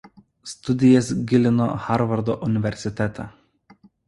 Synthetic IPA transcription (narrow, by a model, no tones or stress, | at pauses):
st̪ʊd̪ʲɪjɛs̬ɡʲɪlʲɪno̰xɑɾʋɐɾd̪oːʔʊnʲɪʋʲɛɾʲsʲɪt̪ʲɛt̪ɑ